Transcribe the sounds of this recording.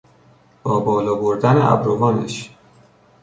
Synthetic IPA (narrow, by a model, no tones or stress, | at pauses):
b̥ɒːbɒːlɒːboɾd̪æneʔæ̰bɾovɒːneʃ